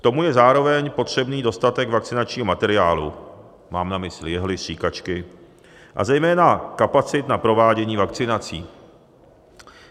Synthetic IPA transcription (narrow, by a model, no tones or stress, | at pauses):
kt̪o̞mujɛzaːɾo̞vɛɲpo̞t̪r̝̥ɛbniːdo̞st̪at̪ɛkvak̚t͡sɪnat͡ʃɲiːɦomat̪ɛɾɪaːlṵ | maːmnamɪslɪjɛɦlɪsr̝̥iːkat͡ʃkɪ | ʔa̰zɛjmɛːnakapat͡sɪt̪napɾo̞vaːɟɛɲiːvak̚t͡sɪnat͡siː